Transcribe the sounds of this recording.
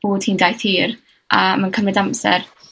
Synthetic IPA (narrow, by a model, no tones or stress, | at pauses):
oːd̥hiːndajθhiːr | ʔamankʰəmrɪdamsɛ̰r